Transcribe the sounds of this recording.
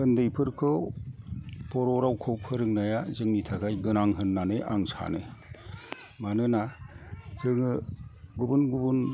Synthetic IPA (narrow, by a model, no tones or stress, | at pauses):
ɯndɯjpʰɯɾkʰɯ | pɔɾɔɾawkʰɔwpʰɯɾɯŋnajazɯŋnitʰakʰajɡɯnaŋɦɯnːanɯʔa̰ŋsʰa̰nɯ̰ | manɯna | zɯŋɯɡubɯnɡubun